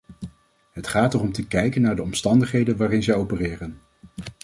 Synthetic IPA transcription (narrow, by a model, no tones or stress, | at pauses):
ɦətχaːtərɔmtəkɛjkənːaːɹdəɔmstɑndəχɦejdənʋaːɾɪnzɛjowpərɪːrən